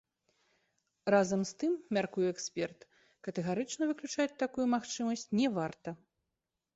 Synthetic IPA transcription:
razɐmst̪ɨmːʲarkujɛɛksʲpʲɛrt̪ | kɐt̪ɛɣaɾɨt͡ʂnɐvɨklʲut͡ʂat͡sʲt̪akujumaxt͡ʂɨmɐsʲt͡sʲnʲɛvart̪ɐ

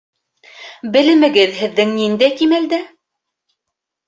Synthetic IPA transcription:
bɘ̆lɘ̆mɘ̆ɡɘðhɘ̆ðːɘŋnind̪æjkimæld̪æ

